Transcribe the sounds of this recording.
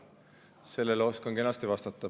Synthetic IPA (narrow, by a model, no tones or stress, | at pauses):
se̞lːelo̞skoŋke̞nɑst̪ivɑst̪ɑt̪ːˑɑ